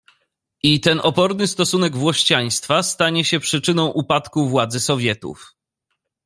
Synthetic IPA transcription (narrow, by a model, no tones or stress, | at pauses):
ʔit̪ɛnɔpɔɾnɘst̪ɔsunɛɡvwɔɕt͡ɕaj̃st̪fast̪aɲɛɕɛpʂɘt͡ʂɘnɔ̃w̃ʔupat̪kuvwad̪zɘsɔvʲjɛt̪ṵf